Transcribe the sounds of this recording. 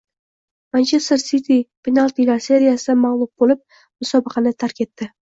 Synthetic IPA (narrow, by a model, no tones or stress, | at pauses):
mant͡ʃʰe̞st̪eɾsit̪ʰipʰʲinalˠt̪ilaɾse̞ɾijasɪmaʁlˠʊp̚bolɪp̚ | mʊsɒbɨqʰɑnɪt̪ʰaɾkʲʰe̞t̪ːɪ